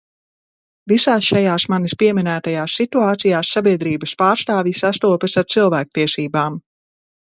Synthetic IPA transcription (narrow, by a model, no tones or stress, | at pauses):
visaːsʃajaːsmanispiɛminæːt̪ajaːsːit̪uaːt̪sijaːsːabiɛd̪ɾiːbɐspaːɾst̪aːvjisast̪uɔpəsaɾt̪silˠvæːk̚t̪iɛsiːbaːm